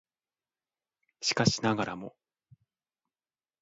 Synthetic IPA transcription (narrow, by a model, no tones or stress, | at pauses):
ɕi̥kaɕinaɡaɾa̰mo̞̰